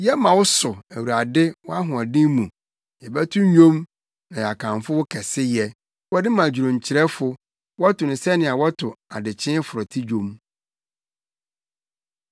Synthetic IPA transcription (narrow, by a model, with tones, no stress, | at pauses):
jɛ˦mã˨wʊ˦sʊ˨æ˨wu˨ɾa˨dɪ˦wɔ˦a˦ɦʊ̃˨a˨dɪ̃˦mũ˨ | jɛ˨bɛ˦tʰũ˦ɲ˦ɲᶣõ˦m | nã˨a˨kʰã˨n˨fʊ˦wʊ˦kʰɛ˨sɪ˦jɛ˨ | wɔ˦dɪ˦mã˨d͡ʑɾõ˨ɲ˨t͡ɕʰɪ˨ɾɛ˦fʊ˦ | wɔ˦tʰʊ˨nɪ̃˨sɛ˦nɪ̃˨a˨wɔ˦tʰʊ˨a˨dɪ˨t͡ɕʰɪ̃˦fʊ˨ɾɔ˨tʰi˦d͡ʑᶣõ˦m